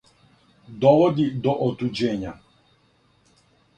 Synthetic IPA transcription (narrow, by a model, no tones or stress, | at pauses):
d̪ɔʋɔd̪id̪ɔʔɔt̪ud͡ʒɛɲa